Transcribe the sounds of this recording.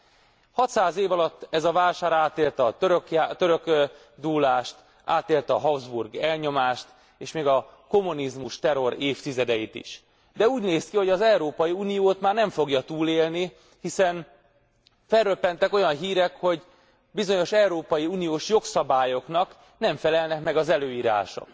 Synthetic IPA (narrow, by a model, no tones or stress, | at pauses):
hɒt̪saːzeːvɒlɒt̪ːɛzɒvaːlʃaːɾaːt̪eːlt̪ɒøɾøkjat̪øɾøk | d̪uːlaːʃt̪ | a̰ːt̪eːlt̪ɛɒɦɒvzburɡɛlɲo̞maːʃt̪ | eːʃmeːɡɒko̞mːunizmuʃt̪ɛɾo̞ɾeːft̪izɛd̪ɛjit̪ḭʃ | d̪ɛuːɟneːskiho̞ɟɒzɛuɾoːpɒjiuːnijoːt̪maːrnɛɱfo̞ɡjɒt̪uːleːlni | hisɛn | fɛrrøpːɛnt̪ɛko̞jɒnɦiːɾɛkho̞ɟ | bizo̞ɲo̞ʃɛuɾoːpɒjiuːnijoːʃjo̞ksɒbaːjo̞kn̪ɒk | nɛɱfɛlɛlnɛkmɛɡɒzɛløːjiːɾa̰ːʃo̰k